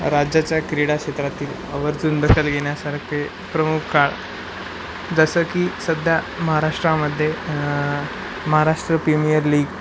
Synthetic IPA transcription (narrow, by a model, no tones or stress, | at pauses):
ɾad͡ʑjat͡ɕjakɾiɽakɕet̪ɾat̪iːl | əʋəɾt͡suːnd̪əkʰəlɡeɳ̃jasaɾkʰe | pɾəmukʰːaɭ | d͡zəsəkiːsəd̪ʱja | məɦaɾaʂʈɾaməd̪ʱːje | məɦaɾaʂʈɾəpɾimijəɾliːɡ